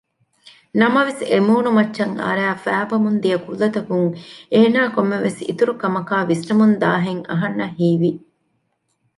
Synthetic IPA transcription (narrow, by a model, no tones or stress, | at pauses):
nɐmɐʋesemuːnumɐt͡ʃːʃɐŋɐ̰ɾæːfæːbɐmund̪ijɐkulːɐt̪ɐkuŋeːnaːkomːeʋesḭt̪uɾukɐmɐkaːʋisʈɐmund̪aːɦeŋɐ̰ɦɐnːɐɦiːʋi